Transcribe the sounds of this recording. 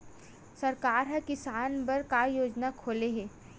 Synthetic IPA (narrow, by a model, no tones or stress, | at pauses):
sɐɾkaːɾɦɐkɪsaːnbɐɾkajoːd͡ʒnakʰoːleɦɛː